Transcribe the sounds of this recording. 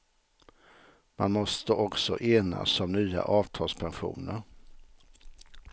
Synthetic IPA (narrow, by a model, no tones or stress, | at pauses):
ma̰nmɔst̪əʔɔksɔʔeːna̰sɔmnyːa̰ʔɑːvt̪ʰɑːlspʰɛnɧṵːnəɾ